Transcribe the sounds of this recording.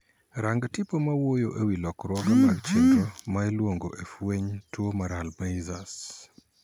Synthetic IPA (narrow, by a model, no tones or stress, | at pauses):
ɾaŋɡatipomawojoʔewilɔkɾwɔɡamaɡt͡ʃɛkɔmaelwoŋɡoʔefweɲtwomaɾalmaizas